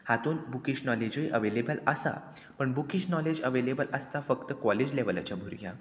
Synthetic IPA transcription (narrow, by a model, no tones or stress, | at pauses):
hat̪uːnbukiɕnɔled͡ʑəiʔəʋelebələsa̰ | pəɳbukiɕnɔled͡ʑəʋelebələst̪afəkt̪əkɔled͡ʑleʋəla̰t͡ɕabʱuɾɡʱja̰